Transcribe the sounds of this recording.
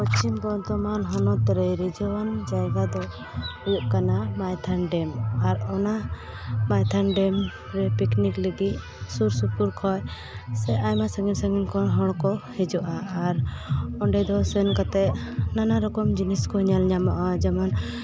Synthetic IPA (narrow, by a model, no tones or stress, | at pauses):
pɔt͡ʃimbɔt̪ɔmanɦɔnɔt̪ɾɛɾid͡ʒɔwand͡ʒajɡad̪ɔ | ujup̚kanamajt̪ʰanɖɛmaɾɔna | majt̪ʰanɖɛm | ɾɛpiknikliɡ̪iʔ | suɾsupuɾkʰɔj | sɛʔajmasəŋɡinsaŋɡinkʰɔɦɔɽ̃kɔhɛd͡ʒɔʔaʔːɾɔɳɖɛd̪ɔsɛnkat̪ɛʔnanaɾɔkɔmd͡ʒiniskɔɲalɲamaʔad͡ʒaman